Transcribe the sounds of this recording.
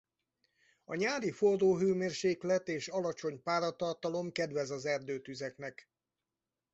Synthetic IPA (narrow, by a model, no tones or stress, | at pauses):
ɒ̰ɲaːɾifordoːɦøːmeːrʃeːklɛt̪eːʃɒlɒt͡ʃo̞ɲpaːɾɒt̪ɒrt̪ɒlo̞mkɛd̪ʋɛzɒzɛrd̪øːt̪yzɛknɛk